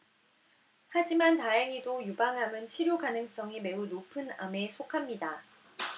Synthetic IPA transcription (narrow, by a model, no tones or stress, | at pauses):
had͡ʑimantaeŋidojubaŋɦamɯnt͡ɕʰiɾjoɡanɯŋs͈ʌŋime̞unopʰɯna̰me̞sʰokʰamɲida